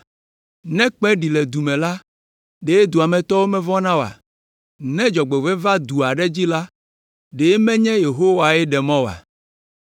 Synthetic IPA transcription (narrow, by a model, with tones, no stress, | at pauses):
nɛ̃˦k͡pɛ̃˦ɖi˨lɛ˨d̪u˨mɛ̃˨la˦ | ɖe˨˦e˦d̪u˨a˨mɛ̃˨t̪ɔ˦wo˦mɛ̃˦vɔ̃˦nã˦wa̰˨ | nɛ̃˦d͡ʒɔ˨ɡ͡be˨vɛ˦va˦d̪u˨a˨ɖɛ˦d͡ʑi˦la˦ | ɖe˨e˦mɛ̃˦ɲɛ̃˦je˨ɦo˦wa˨ɛ˦ɖɛ˨mɔ̃˦wa̰˨